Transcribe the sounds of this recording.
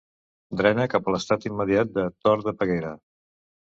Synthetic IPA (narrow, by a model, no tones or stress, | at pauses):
d̪ɾɛnəkapələst̪at̪imːəðiat̪̚d̪ət̪ɔɾðəpəɣejɾə